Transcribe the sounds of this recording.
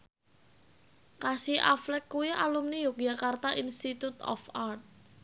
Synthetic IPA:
kasiʔa̰flɛkːuiʔa̰lumnijukjakart̪aʔinst̪it̪ut̪ɔ̰fart̪̚

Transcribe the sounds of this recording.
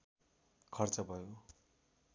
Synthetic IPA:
kʰʌrt͡sʌbʱʌjo

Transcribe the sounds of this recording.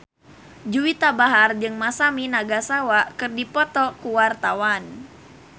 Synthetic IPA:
d͡ʒuwit̪abaɦard͡ʒɨŋmasaminaɡasawakɨrdipɔt̪ɔkuwart̪awan

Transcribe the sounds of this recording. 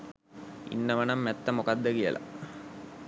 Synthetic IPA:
ḭnːəʋɐnɐmːɛt̪ːɐmukad̪ːəkijəlʔa̰

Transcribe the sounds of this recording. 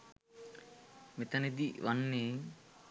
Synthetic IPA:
met̪aned̪iʋanːeː

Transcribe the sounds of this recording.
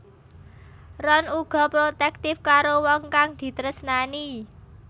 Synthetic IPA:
rɔnuɡ̥ɔ̤pɾot̪ɛk̚t̪ɪfkaɾowɔŋkaŋd̪̥i̤t̪ɾəsnani

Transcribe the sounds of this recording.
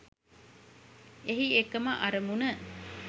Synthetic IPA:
eɦiekɐmaʔɐɾəmunə

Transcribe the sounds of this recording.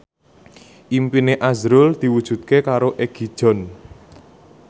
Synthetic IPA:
ʔimpineʔazɾʊld̪̥i̤wud̥ʒ̥ṳt̪̚kekaɾoʔeɡ̥id̥ʒ̥ɔ̤n

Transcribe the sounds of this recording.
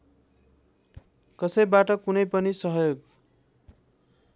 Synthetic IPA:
kʌsʌjbaʈʌkunʌjpʌnisʌɦjoɡ

